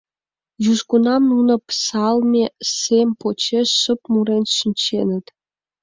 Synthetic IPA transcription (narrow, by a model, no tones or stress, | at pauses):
juʃkunɑmnunɤ̆psɑlˠmʲesʲemʲpot͡ɕeʂːə̆pmuɾenʲʃə̆nʲt͡ɕenʲɘ̆t̪ʲ